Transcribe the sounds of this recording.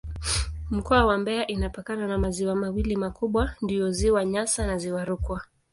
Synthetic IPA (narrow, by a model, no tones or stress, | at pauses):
m̩kɔawambɛaʔinapakananamaziwamawilimakuɓwandiɔziwaɲasanaziwaɾukwa